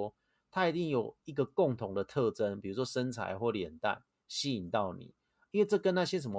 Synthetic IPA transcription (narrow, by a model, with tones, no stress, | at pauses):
t̪ʰa˦˥i˨˩t̪i˥˩ŋjo˨˩ʊi˧˥ɡə˨kʊ˥˨ŋt̪ʰʊ˧˦ŋd̪ə˨t̪ʰɤ˥˨˧ʈ͡ʂə˦npi˨˩ɻu˧˥ʂwɔ˥ʂə˦nt͡sʰa̰˨˧˦ɪxwɔ˥˩ljɛ˨˩nt̪a̰˥˩ɪ | ɕi˥i˨˩nt̪ɑ˥˩ʊnḭ˨˦ | i˥˦nwe˥˧ɪʈ͡ʂɤ˥˩kə˦nna˥˧˩ɕjɛ˦˥s̬ə˨˩nmə˧